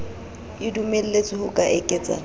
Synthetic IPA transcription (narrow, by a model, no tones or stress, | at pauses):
ɪdumel̩let͡sʼɪhʊkʼaʔɛkʼɛːt͡sʼa̰